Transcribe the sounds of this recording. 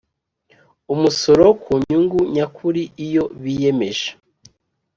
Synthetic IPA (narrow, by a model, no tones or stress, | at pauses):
umuso̞ɾo̞kʰuɲɲuŋɡuɲakʰuɾiijo̞βije̞me̞ʒe̥